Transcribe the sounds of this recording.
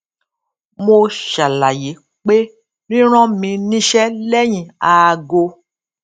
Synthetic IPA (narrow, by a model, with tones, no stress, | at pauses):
mo˧ʃa˨la˨je˨˦ | k͡pe˦ | nĩ˦ɾ̃ɔ̃˦mĩ˧nĩ˧ʃɛ˦lɛ˦j̃ĩ˨a˨˧ɡo˧